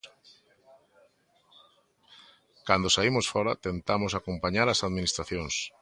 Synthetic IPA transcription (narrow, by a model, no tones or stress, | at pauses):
kand̪osaimosfɔɾat̪ent̪amosakompaɲaɾasaðminist̪ɾaθjõŋs